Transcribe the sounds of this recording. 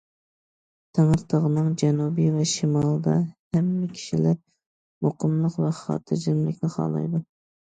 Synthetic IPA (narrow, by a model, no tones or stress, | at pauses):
t̪ʰeŋəɾt̪ʰəʁənɨŋd͡ʒɛnubijvɛʃimɑlˠd̪ɑhɛmːɪkʲʰi̥ʃilæɾ | moqəmlˠəqvɛχɑ̰ːt̪ʰɨd͡ʒɪnlɪkʲnɪχɑ̰ːlˠɑ̰jd̪u